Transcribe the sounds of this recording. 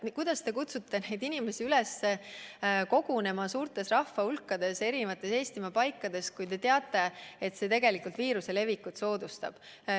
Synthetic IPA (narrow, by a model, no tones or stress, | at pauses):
kujd̪̥ɑst̪e̞kut̪sut̪ːˑe̞ne̞jd̪inime̞siylɛsːe | ko̞ɡ̥une̞mɑsuːrt̪ˑe̞srɑfːɑulkːɑd̪̥e̞se̞ɾinevɑt̪ːˑe̞se̞ːst̪imɑpɑjkːˑɑd̪̥e̞skujt̪et̪eɑt̪ːˑe̞et̪se̞t̪eɡe̞likult̪viːɾuse̞le̞vːikːut̪so̞ːd̪̥ust̪ɑ̰b̥